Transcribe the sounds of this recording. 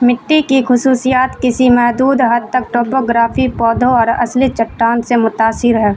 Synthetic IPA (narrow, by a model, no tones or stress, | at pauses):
mɪʈːikixʊsuːsijaːt̪kɪsimɛɦd̪uːd̪ɦɐd̪̚t̪ɐk̚ʈoːpoːɡɾaːfʰipɔːd̪ʱoɔːɾɐ̰slit͡ʃɐʈːaːnsemʊt̪aːsɪɾɦɛː